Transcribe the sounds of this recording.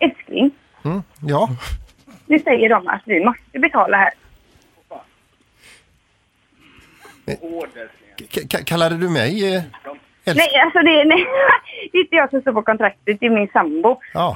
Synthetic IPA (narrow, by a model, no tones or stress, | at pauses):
ɛlsklɪ̰ŋ | jɑː | nʉsɛjːəɖɔma̰t̪vɪmɔst̪əbɛt̪ʰɑːlaɦæːɾ | kʰakʰalːad̪əd̪ɵmɛj | ɛlnɛjalsɔd̪ɛnɛjd̪ɛɪnt̪əjɑːsɔmst̪oːpɔkɔnt̪ʰɾak̚t̪ət̪ɪlmɪnsambʊɑː